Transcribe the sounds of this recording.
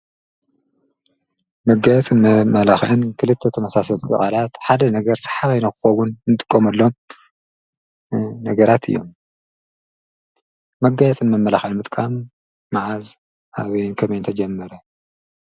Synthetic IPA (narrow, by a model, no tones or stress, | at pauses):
mɐɡajɛt͡sʼɨnmɐmɐlaxʕɨnkʰɨlɨt̪ʰːɐt̪ʰɐmɐsasɐlt̪ʼɨ̰χʼalat̪ħad̪ɐnɐɡɐɾsɐ̥ħaβajnɐxɨxɐwʊnɨnɨt̪ʼɨkʼːomɐlːo̞m | nɐɡɐɾat̪ʰɨ̰jːo̞̰m | ɐɡajɛt͡sʼɨnmɐmːɐlaxʕɨnmɨt̪ʼkʼamː | aʕaz | ʔaβɐjnkʰɐmɐjnt̪ʰɐd͡ʒɐmːɐɾɐ